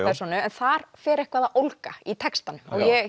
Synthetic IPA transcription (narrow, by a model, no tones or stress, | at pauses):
pʰɛɾ̥sɔnʏɛnθaɾ̥fɛːɾɛhkvaːðaʔowlkait̪ʰɛkst̪anʏmɔɣjɛ